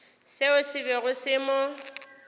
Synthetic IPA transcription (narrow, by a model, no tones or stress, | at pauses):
sɪʊsɪbɛɣʊsɪmʊ